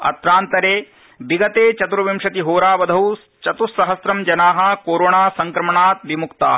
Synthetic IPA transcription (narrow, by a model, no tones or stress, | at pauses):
ɐ̰t̪ɾaːnt̪ɐɾeː | biɡɐt̪eːt͡ʃɐt̪uɾɐʋimʂɐt̪iɦoːɾaːʋɐd̪ʱɐw | t͡ʃɐt̪usɐɦɐsɾɐmd͡ʒɐnaːɦɐ̆koːɾoːɳaːsɐŋkɾɐmɐɳaːt̪̚ʋimukt̪a̰ː